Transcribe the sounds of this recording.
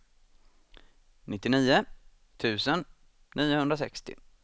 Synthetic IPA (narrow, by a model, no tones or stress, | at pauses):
nɪt̪ːɪniːʊ | t̪ʰʉ̟ːsən | nʔiːʊhɵnd̪ɾasɛ̰kst̪ɪ̰